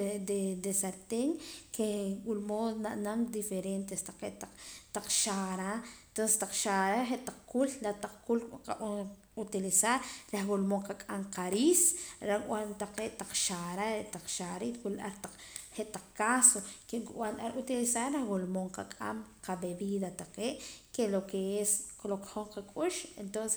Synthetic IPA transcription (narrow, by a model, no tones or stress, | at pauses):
d̪ed̪esaɾt̪eŋkʰewulmonaʔnamd̪ifeɾent̪est̪aq͡χeʔt̪aq͡χt̪aq͡χʃaɾaet̪onsest̪aq͡χʃaɾaχeʔt̪aq͡χkullat̪aq͡χkula | ut̪ilisaɾɾahɡolmoŋqakʼamqaɾisɾakwant̪aqeːʔt̪aq͡χʃaɾaɾeʔt̪aq͡χʃaɾit̪wulʔa̰ɾt̪aq͡χheʔt̪aq͡χkasokekʔwanʔaɾut̪ilisaɾɾahɡolmoɴqakʼa̰mqabeβiðat̪aqeːʔkelokeesklokχoɴqakʼuʃent̪onse